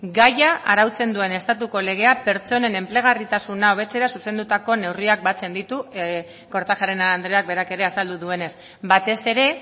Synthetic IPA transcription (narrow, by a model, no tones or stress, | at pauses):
ɡajaʔaɾawt͡se̞nd̪ue̞ne̞st̪at̪uko̞le̞ɣ̞e̞ape̞ɾt͡so̞ne̞ne̞mple̞ɣ̞arit̪asunao̞β̞e̞t͡se̞ɾasuse̞nd̪ut̪ako̞ne̞wriak̚bat͡se̞nd̪it̪u | ko̞ɾt̪axaɾe̞nand̪ɾe̞ak̚be̞ɾake̞ɾe̞asald̪uðue̞ne̞s | bat̪e̞se̞ɾe̞